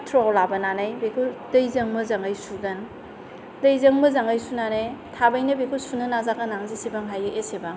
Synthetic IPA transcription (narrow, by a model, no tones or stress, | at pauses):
tʰɾoawlabɐnanajbekʰudɐjzɐŋmɐzaŋɡajsuɡɐn | dɐjzɐŋmɐzaŋajsunanajtʰabajnɐbekʰusunɐnazakanaŋzisebaŋɦajɯʔesebaŋ